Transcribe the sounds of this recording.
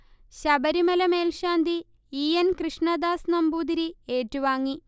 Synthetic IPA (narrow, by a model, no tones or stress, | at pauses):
ɕɐbɐɾimɐlɐmeːlʂaːnd̪iː | jɐnkrɨʂɳɐd̪aːsnɐmbuːd̪iɾieːtːuʋaːŋːi